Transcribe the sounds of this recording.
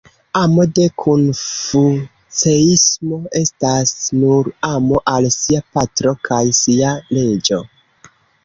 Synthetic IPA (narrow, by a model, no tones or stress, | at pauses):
amo̞de̞kʰunfu | t͡seismo̞e̞stasnuɾamoʔalsiapatɾo̞kʰajsiale̞d͡ʒo̞